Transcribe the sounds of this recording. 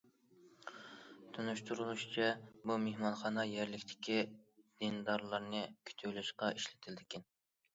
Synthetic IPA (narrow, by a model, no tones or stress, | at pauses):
t̪ʰunyʃt̪ʰuɾulˠuʃt͡ʃʰɛbumehmɑnχɑːnɑjæɾlɪkʲt̪ʰɪ̥kʲid̪̥ind̪ɑɾlˠɑɾnɨkʲʰy̥t̪ʰywlɪʃqɑʔiʃlɪ̥t̪ʰɪld̪ɪkʲɪn